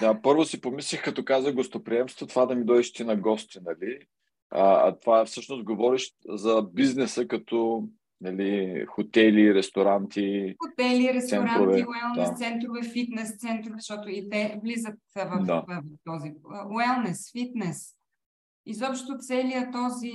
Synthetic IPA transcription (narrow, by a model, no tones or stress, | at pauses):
d̪apɤɾvosipomislixkɐt̪ɔkazəɡost̪opɾiɛmst̪vot̪ovad̪ɐmid̪ɔɛʃt̪inɐɡɔst̪inɐli | ɐɐ̰t̪ovafsɤʃnost̪̚ɡovɔɾiʃzɐbiznɛsəkɐt̪ɔ | nɐlixot̪ɛliɾɛst̪oɾant̪ixot̪ɛliɾɛst̪sɛnɾaɾovɛiɛlˠnd̪at̪sɛnt̪ɾʊvɛfit̪nɛst̪sɛnt̪ɾovɛzʃt̪ɔt̪ʊit̪ɛvlizət̪vd̪avt̪ɔziɛlˠnɛsfit̪nɛs | izɔpʃt̪t̪ʊt̪sɛlijət̪ɔzi